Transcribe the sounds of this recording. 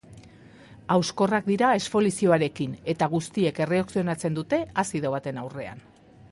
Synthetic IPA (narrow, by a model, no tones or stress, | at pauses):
awsko̞rak̚d̪iɾae̞sfo̞lisio̞aɾe̞kine̞t̪aɣ̞ust̪ie̞ke̞re̞oksio̞nat͡se̞nd̪ut̪e̞asiðo̞β̞at̪e̞nawre̞a̰n